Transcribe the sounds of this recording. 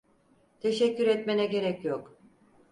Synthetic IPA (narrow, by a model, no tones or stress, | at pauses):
t̪ʰe̞ʃɛcːyɾɛt̪menɛɟe̞ɾɛcjok